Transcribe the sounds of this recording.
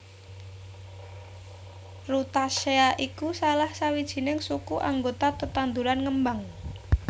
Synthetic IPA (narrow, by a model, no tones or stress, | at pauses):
rut̪aʃeaʔikusalahsawid̥ʒ̥i̤nɪŋsukuʔaŋɡot̪at̪ət̪and̪uɾanŋəmbaŋ